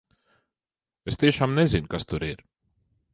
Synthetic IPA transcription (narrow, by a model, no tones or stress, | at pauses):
est̪eːʃamnɛzinkast̪uɾeɾ